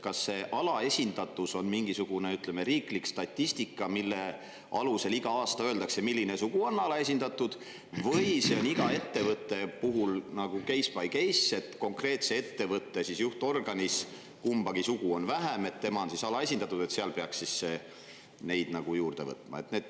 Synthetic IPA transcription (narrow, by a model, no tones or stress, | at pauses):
kɑsːe̞ːʔɑlɑe̞sʲind̪̥ɑt̪ːˑuso̞nmiŋɡisuɡ̥une̞yt̪leme̞ɾiːklikst̪ɑt̪ʲːisʲt̪ikːˑɑmilːe̞ | ʔɑ̰luse̞liɡ̥ɑɑːst̪ɑøːld̪ɑkse̞milːinesuɡ̥uo̞nːɑlɑe̞s̬ʲind̪̥ɑt̪ːˑud̪̥ | vɤjse̞o̞niɡ̥ɑe̞t̪ːe̞vɤt̪ːe̞puɦulnɑɡ̥uke̞jspɑjke̞jsːe̞t̪ko̞ŋkre̞ːt̪se̞e̞t̪ːe̞vɤt̪ːesisjuht̪o̞rɡ̥ɑnʲis | kumb̥ɑɡ̥isuɡ̥uo̞nvæɦæme̞t̪ːe̞mɑo̞nsisɑlɑe̞sʲind̪̥ɑt̪ːˑud̪e̞t̪seɑlpe̞ɑkssisːe̞ | ne̞jd̪̥nɑɡ̥ujuːrd̪̥e̞̰vɤ̰t̪ˑmɑ̰e̞̰t̪ne̞ːd̪̥